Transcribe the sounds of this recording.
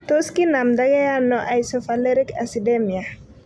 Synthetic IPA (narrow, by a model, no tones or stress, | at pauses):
t̪ɔskinamd̪aɡɛjanːɔʔajsɔfalɛɾikasidɛmia